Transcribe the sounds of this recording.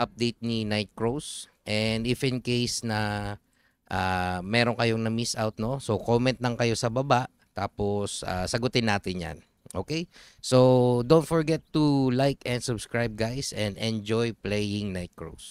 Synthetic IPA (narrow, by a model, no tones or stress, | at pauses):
ʔɐp̚d̪ejt̪̚ninajt̪̚kɹowsʔɛnd̪ɪfɪ̃nkejsnɐ | ʔamɛːɾo̞ŋkɐjo̞ŋnɐmisʔawt̪̚no̞so̞koːmɛ̃nt̪̚lɐŋkɐjo̞sɐbɐbaʔ | t̪aːpo̞sa̰ːsɐɡʊt̪ɪnːaːt̪ɪnja̰n | ʔoːkej | sod̪ownt̪foɹɡɛt̪ːulajkɛ̃nd̪sʊbskɹajb̚ɡajsʔɛ̃nd̪ɛnd͡ʒojplɛjɪŋnajt̪̚kɹo̰ws